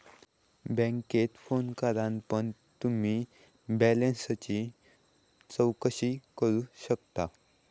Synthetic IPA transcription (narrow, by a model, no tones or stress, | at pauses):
bɛ̃ŋket̪fonkaɾãnpəɳ | t̪um̤iː | bɛlenst͡ɕiː | t͡səwkəɕiːkəɾuːɕək̚t̪a